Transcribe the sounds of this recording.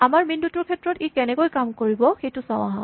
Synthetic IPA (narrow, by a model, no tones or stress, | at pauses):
amaɹmindutʊɹkʰɛtɹɔtikɛnɛkojkamkoɹibɔxejtʊsaʊ̃aɦɔ̰̃